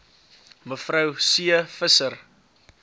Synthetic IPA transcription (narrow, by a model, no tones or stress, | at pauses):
məfrəwsiəfəsər